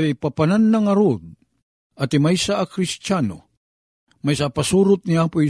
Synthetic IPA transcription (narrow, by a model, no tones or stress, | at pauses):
ajpapananːaŋɐɾud̪̚ | at̪imajsaːkɾist͡ʃano̰ | majsapasuɾʊt̪̚niapoi